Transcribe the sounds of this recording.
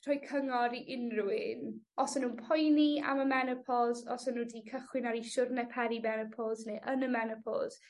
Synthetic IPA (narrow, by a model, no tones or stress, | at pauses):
tʰr̥ɔːjkʰəŋɔɾiʔɪnruɪn | ɔsənuːnpʰɔjnia̰məmɛnəpʰɔzɔsənuːdikʰəχwɪnaɾiʃʊrnɛpʰɛɾimɛnəpʰɔlˠzneʔənəmɛnəpʰɔ̰z̥